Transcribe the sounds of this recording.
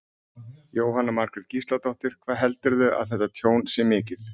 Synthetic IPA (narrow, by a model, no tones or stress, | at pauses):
joːwɦanːamaɾ̥kɾɪɾðcist̪lat̪ɔwht̪ɪɾ̥kʰvaːðɦɛlt̪ʏɾðʏʔa̰ðθɛht̪ːat̪ʰjoːwnsjɛmɪːcɪθ